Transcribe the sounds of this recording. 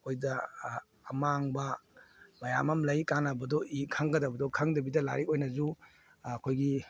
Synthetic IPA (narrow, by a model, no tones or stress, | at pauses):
ojdɐː | maŋbɐ | mɐja̰mɐmlɐjkanɐbɐdɔʔikʰaŋɡɐdɐbɐdɔkʰaŋdɐbidɐla̰ɾikojnɐzu | ɐkʰojɡi